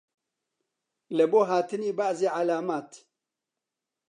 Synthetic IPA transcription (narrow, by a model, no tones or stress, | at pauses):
ləboɦaːt̪ənibaʔziʕalaːmaːt̪